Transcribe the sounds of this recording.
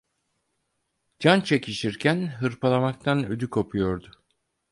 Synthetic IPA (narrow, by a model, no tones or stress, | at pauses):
d͡ʒant͡ʃʰecʰiʃiɾcʰænɦɯɾpʰalˠamak̚t̪ʰanød̪ykʰopʰujo̞ɾd̪ʊ